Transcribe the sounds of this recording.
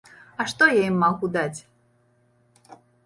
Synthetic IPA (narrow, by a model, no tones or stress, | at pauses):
ɐʂt̪ɔjajimːaɣud̪at͡sʲ